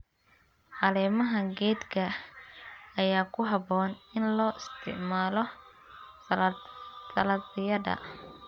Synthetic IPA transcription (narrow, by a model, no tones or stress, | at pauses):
ħɑlɛːmɐɦɐɡɛːd̪kʰɐ | ɐjaːkʰʊɦɑbɔːnɪnlɔːʔɪst̪ʰɪ̰ʕmaːlɔ | s | sɐlɐɪjɐðɐ̰